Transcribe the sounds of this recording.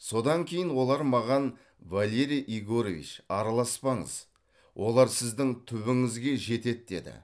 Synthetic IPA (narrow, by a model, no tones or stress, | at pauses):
so̞d̪ɑŋkʲʰe̞jɪnwo̞lˠɑɾmɑʁɑn | valʲe̞ɾijʔiɡoɾovʲḭt͡ʃɑɾɑlˠɑspɑɴə̰z | wʔo̞lˠɑɾsɪzd̪ɪŋt̪ʰʏβɪŋɪzɡʲe̞ʒe̞t̪e̞t̪̚d̪e̞d̪ɪ̰